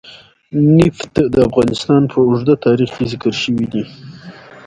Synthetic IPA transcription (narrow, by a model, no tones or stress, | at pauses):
nɪft̪d̪əafɣɑnɪst̪ɑnpʰəʊʐd̪at̪ɑɾiχkezɪkəɾʃəwid̪i